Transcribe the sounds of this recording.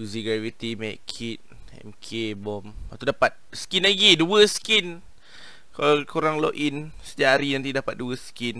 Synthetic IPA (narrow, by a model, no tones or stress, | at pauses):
uziɡɾat̪vit̪imɛʔkʰit̪̚ | ɛ̰mkʰebɔmat̪udapat̪̚skinlaɡiduəskin | kakuɾaŋlɔ̰ʔinsə̥t̪iaaɾijaŋt̪idapat̪̚duəskin